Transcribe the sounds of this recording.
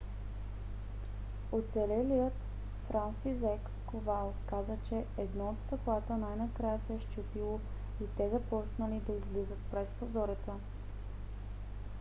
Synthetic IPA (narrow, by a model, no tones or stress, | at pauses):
ot̪sɛlɛlijət̪ | fɾansizɛkːovalˠkazət͡ʃɛɛd̪nɔot̪st̪ɐklˠat̪ənajnɐkɾajəsɛɛʃt͡ʃup̪ilˠo | it̪ɛzɐpɔsnəlid̪ɐizlizət̪̚pɾɛspozɔɾɛt̪sə